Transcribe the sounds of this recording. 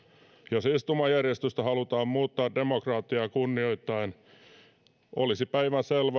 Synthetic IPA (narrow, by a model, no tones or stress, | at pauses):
josist̪umɑjærjest̪yst̪æhɑlut̪ɑːmmuːt̪ːɑːddemokrɑːt̪ːiɑkunːioit̪ːɑin | ʔo̰lisipæiʋænselʋɑ